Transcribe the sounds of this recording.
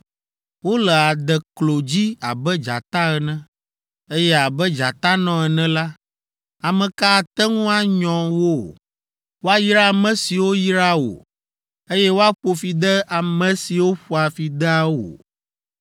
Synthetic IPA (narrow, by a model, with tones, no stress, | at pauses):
wo˦lɛ˨a˨d̪ɛ˨klo˨d͡ʑi˦a̰˨bɛ˦d͡ʒa̰˨t̪a˦ɛ˨nɛ̃˦ | e˦jɛ˦a˨bɛ˦d͡ʒa˨t̪a˦nɔ̃˦ɛ˨nɛ̃˦la˦ | a˨mɛ̃˨ka˦˨t̪ɛ˦ŋũ˦a˦ɲɔ̃˨wo˦˨ | wo˦a˦jɾa˦˨mɛ̃˨si˨wo˦ji˦ɾa˦o̰˨ | e˦jɛ˦wo˦a˦k͡po˨fi˨d̪ɛ˦a˨mɛ̃˨si˨wo˦ɸu˨a˨fi˨d̪ɛ˦a˦wo̰˨